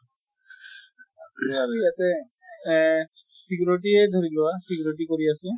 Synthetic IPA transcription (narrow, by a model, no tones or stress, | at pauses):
aɹujatɛ | sikuɹotiɛdʱoɹilɔwasikuɹitikoɹiasɛ